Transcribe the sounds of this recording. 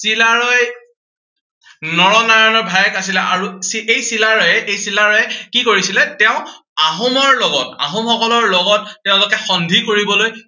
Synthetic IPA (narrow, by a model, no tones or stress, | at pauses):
silaɹɔj | nɔɹɔnaɹanɔɹbʱajɛkasilɛʔaɹusiejsilaɹɔjɛʔejsilaɹɔɛkikoɹisilɛtɛʊ̃ | aɦɔmɔɹlɔɡɔta̰ɦɔmxɔkɔlɔɹlɔɡɔtːɛʊ̃lʊkɛxɔndʱikoɹibɔloj